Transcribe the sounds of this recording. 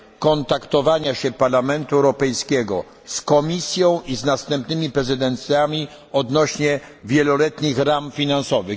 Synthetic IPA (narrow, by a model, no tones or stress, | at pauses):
kɔnt̪akt̪ɔvaɲaɕɛpaɾlamɛnt̪uɛwɾɔpɛjskʲɛɡɔ | skɔmʲisʲjɔ̃w̃ʔiznast̪ɛmpnɘmʲipɾɛzɘd̪ɛnt̪sʲjamʲi | ɔd̪nɔɕɲɛvʲjɛlɔlɛt̪ɲixɾamfʲinansɔvɘ